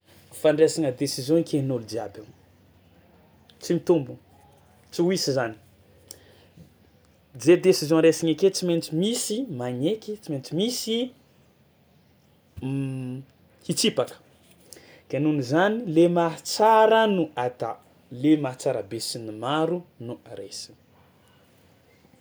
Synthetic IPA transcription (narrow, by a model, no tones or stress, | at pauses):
faɳɖ͡ʐesiŋəd̪esizjɔ̃ikenold̪iaban | t͡simit̪umbu | t͡siisizani̥ | d͡zed̪esizjɔ̃ɾesiɲaket͡siment͡simisimaɲekit͡siment͡simisi | hit͡sipakə̥ | ɡ̥anunizanilemat͡saɾənuʔat̪a | lemat͡saɾabesinimaɾunuaɾesi̥ŋ